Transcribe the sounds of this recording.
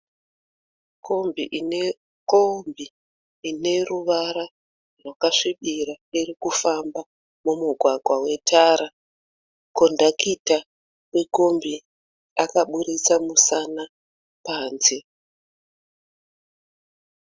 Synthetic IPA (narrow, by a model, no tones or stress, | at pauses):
kʰo̞mbiʔine | kombiː | ne̞ruʋaɾa | rwakaʂiɓiɾa | iɾikufamba | mumuɡʱwaɡʱwawe̞tʰaɾa | kondakita | wekombi | akaɓuɾit͡samusana | paːnze